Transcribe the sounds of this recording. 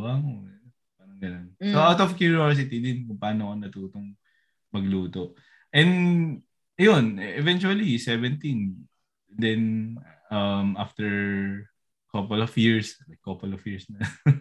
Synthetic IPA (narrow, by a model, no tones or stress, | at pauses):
aŋoɐnkʊpaːnoŋɡɐnonsoʔawt̪ɔvkjʊɹios̬ɪt̪̬id̪ɪnkʊŋpaːnokonɐt̪uːt̪oŋ | mɐɡluːt̪oʔ | ʔɛnd̪ | jonɛvɛnt͡ʃuɐlisɛvɛnt̪in | d̪ɛn | ɐmʔaft̪ɛɹ | kɐpɔlɔfjiɹsɐkːɐpɔlɔfjiɹsnɐ